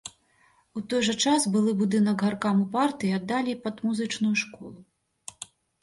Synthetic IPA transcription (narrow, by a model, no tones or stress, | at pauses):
ut̪ɔjʐɐt͡ʂasbɨlˠɨbud̪ɨnɐkɣarkamupart̪ɨjiad̪ːalʲipɐd̪muzɨt͡ʂnujuʂkɔlˠu